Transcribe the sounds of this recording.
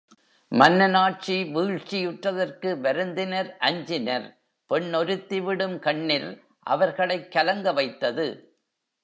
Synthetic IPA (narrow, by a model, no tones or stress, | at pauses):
mɐnːɐnaːʈ̚t͡ʃiʋiːɻt͡ʃːɪjɯʈrɐðɐrkɯʋɐɾɯnd̪ɪnɐɾʔɐɲd͡ʒɪnɐɾ | pɛɳːɔɾɯt̪ːɪʋɪɽɯmkɐɳːɪl | ʔɐ̰ʋɐɾɣɐɭɐɪkːɐlɐŋɡɐʋɐɪt̪ːɐðɯ